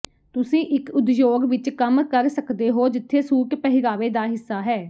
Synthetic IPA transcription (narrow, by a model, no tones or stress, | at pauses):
t̪ʊsĩːʔɪkʊd̪joːɡʋɪt͡ʃkəmkəɾsəkd̪eːɦoːd͡ʒɪt̪ʰːeːsuːkpəɦɪɡaːʋeːd̪aːɦɪsːaːɦɛː